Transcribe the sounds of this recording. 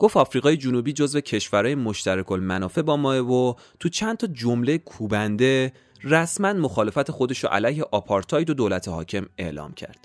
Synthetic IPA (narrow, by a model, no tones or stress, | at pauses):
ɡ̥o̞ft̪ɒfɾiɣɒːje̞d͡ʒunuːbiːd͡ʒo̞zve̞cʰe̞ʃvæɾɒːjemo̞ʃt̪ʰæɾekʰolmænɒːfe̞bɒːmɒːevo | t̪ʰut͡ʃʰænt̪ʰɒd͡ʒomle̞jekʰuːbænd̪e̞ | ræsmænmo̞xɒːle̞fæt̪ʰe̞xo̞d̪e̞ʃo̰ʔæ̰læjhe̞ʔɒːpʰɒɾt̪ʰɒːjd̪od̪olæt̪ʰehɒ̰ːcʰe̞me̞̰ʔlɒ̰ːmcʰæ̰ɾd̪̥